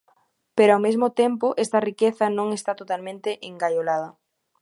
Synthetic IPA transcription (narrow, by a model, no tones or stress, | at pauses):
peɾoawmezmot̪empoʔest̪ɐrikeθɐnõŋest̪at̪ot̪almẽnt̪eʔeŋɡajolað̞ɐ